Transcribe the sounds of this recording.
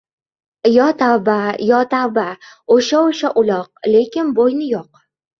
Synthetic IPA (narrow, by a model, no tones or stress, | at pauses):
jɒt̪awbajɒt̪awbaoʃaoʃaʔʊlˠɒq̚le̞kʲɪnbojnɪjɒq